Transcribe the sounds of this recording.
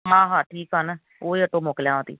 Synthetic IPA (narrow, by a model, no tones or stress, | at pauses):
ɦãːɦãːʈɾiːkən | oːiːəʈõːmoːkljãːõːt̪ḭː